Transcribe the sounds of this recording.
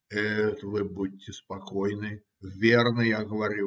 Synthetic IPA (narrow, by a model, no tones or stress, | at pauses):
ɛt̪vɨbudʲtʲːɪspakɔjnɨ | vʲernɐjaɣəvɐɾʲu